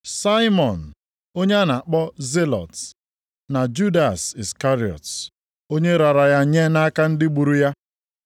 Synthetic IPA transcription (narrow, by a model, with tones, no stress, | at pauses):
sa˦ɪ˦mɔ˨n̩˨ | o˦ɲe˦a˦na˨k͡pɔ˦ze˦lɔ̰˨t | na˨d͡ʒu˦da˨si˨ska˦ɾi˨ɔ̰˨t | o˦ɲe˦ɾa˨ɾa˨ja˦ɲe˦na˦ka˦n̩˦dɪ˦ɡ͡bu˨ɾu˦ja˦